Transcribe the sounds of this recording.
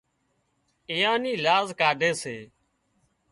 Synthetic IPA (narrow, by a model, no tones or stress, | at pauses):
eːjãːniːlaːzkaːɖʱeːseː